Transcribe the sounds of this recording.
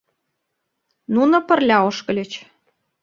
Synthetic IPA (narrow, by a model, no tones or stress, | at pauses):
nunŏpə̆rlʲɑoʃkɤ̆lʲet͡ɕ